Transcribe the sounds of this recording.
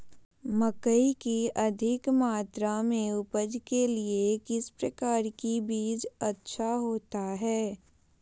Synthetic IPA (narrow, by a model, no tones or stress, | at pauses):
mɐkəikiɐd̪ʱɪkmaːt̪ɾamẽʊpəd͡ʒkeliekɪspɾɐkaːɾkibiːd͡ʒɐtːʃʰaɦoːt̪aɦɛː